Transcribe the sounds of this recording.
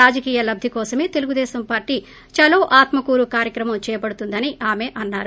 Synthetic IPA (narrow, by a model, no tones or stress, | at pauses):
aːd͡ʒɐkiːjɐlɐbd̪ʱikɔːsɐmeːt̪e̞luɡud̪ɛːsɐmpaːɾʈi | t͡ʃɐloːʔaːt̪mɐkuːɾukaːɾjɐkɾɐmɐmt͡ʃɛːjɐpɐɽut̪und̪ɐniʔaːmeːʔɐnːa̰ːɾu